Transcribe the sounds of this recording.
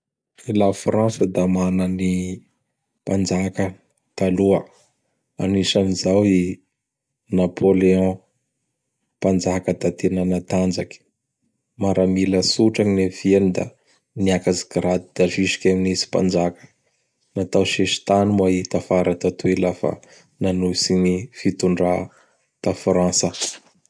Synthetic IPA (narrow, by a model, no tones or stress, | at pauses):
ilafrãnsəd̪amanani | pand͡ʒakə | t̪aluə | a̰niʃanizawi | napʰoleɔ̃ | pand͡ʒakəd̪at̪enanat̪and͡ʒakʲi̥ | maɾʔamiləsuʈ͡ʂaŋinefienid̪a̰ | niakazi̥ɡɾad̪id̪̥afiʃi̥kʲaminisi̥pa̰nd͡ʒakə̥ | nat̪awʃeʃi̥t̪animait̪afaɾat̪at̪uilafa̰ | nanusinifit̪uɳɖ͡ʐa | t̪afrãsə